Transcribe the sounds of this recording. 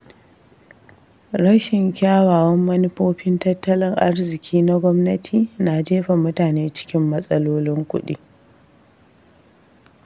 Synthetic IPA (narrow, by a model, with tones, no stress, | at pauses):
ɽɐ˦ʃɪ˨ŋkʲaː˦waː˨wɐ˦mːɐ˦nɪ˦ɸoː˦ɸɪ˦ntɐ˦tːɐ˦lɪ˦ŋʔa̰˦rzɪ˨kʲʰiː˦na˦ɡʷɔ˦mnɐ˦tʰiː˨na˨d͡ʒeː˦ɸa˨mʊ˦taː˨neː˦t͡ʃɪ̥˦kʲɪ˦mːɐ˦sʼɐ˦loː˦lɪ˦ŋkʷʊ̰˦ɗḭː˦